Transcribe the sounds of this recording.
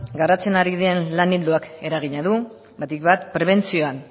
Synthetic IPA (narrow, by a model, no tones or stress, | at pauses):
ɡarat͡se̞naɾiðienlanild̪uake̞ɾaɣ̞iɲaðu | βat̪ikβat̪pɾe̞β̞e̞nt͡sio̞an